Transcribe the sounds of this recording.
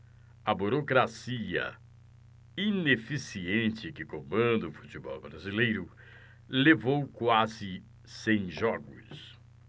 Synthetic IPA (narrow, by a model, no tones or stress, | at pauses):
ɐbuɾokɾasiɐ̰ | inefisiẽnt͡ʃɪkɪkõmɐ̃nd̪ʊfut͡ʃibɔ̰wbɾazilejɾʊ | levowkwazɪ | sẽj̃ʒɔɡʊ̰s